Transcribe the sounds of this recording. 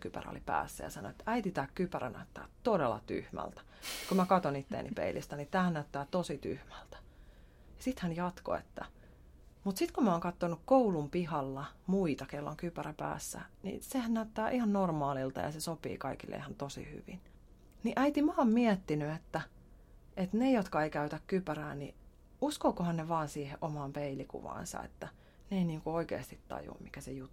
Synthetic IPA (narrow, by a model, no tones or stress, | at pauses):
kypæ̰ro̰lipæ̰ːsːæ̰jɑ̰sɑno̰et̪ːæit̪it̪æːkkypæræ̰næ̰yt̪ːæ̰ːt̪odelːɑ̰t̪y̰hmæ̰lt̪æ̥kumækɑt̪onit̪ːḛːnʔḭpḛilʔḭst̪ænit̪æːhænæyt̪ːæːt̪osit̪y̰hmælt̪æ̥ | jɑsit̪hænjɑt̪ko̰ḛt̪ːæ̰ | mut̪sit̪kumæoːŋkɑt̪ːonukkoulumpihɑlːɑmuit̪ɑkelːo̰ŋkypæræpæ̰ːsːæ̰nḭsehænnæyt̪ːæːʔihɑnnormɑːlilt̪ɑ̰jɑ̰sesopḭːkɑikilːḛihɑnt̪osḭhy̰ʋḭn | niʔæit̪imɑːmmiɛt̪ːinyet̪ːæ | ʔet̪nejot̪kɑeikæyt̪ækkypæræːnḭ | uskoːkohɑnneʋɑːnsiːhḛʔʔomɑːmpeilikṵʋɑ̰ːnsɑ̰ḛt̪ːæ | neeiniːŋkuoikḛːst̪it̪t̪ɑ̰jṵmmikæsejut̪ː